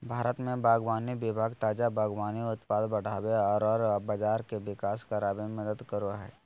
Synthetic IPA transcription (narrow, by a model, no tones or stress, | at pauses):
bʱaːɾət̪mẽbaːɡʋaːnibɪbʱaːɡt̪aːd͡ʒabaːɡʋaːniʊt̪paːd̪bɐɽ̤aːweɔːɾɔːɾbad͡ʒaːɾkeʋɪkaːskaɾaːbemɐd̪əd̪kəɾoaɦɛ̰ː